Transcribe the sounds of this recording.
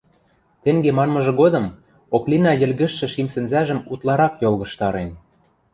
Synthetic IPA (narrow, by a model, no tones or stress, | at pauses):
t̪ĕŋɡemɑnmɤ̆ʒɤ̆ɣod̪ɤ̆m | oklʲinɑjɘ̆lɣɘ̆ʃːɘ̆ʃimsɘ̆nzæʒə̆mut̪lˠɑɾɑkjolˠɣɤ̆ʃt̪ɑɾen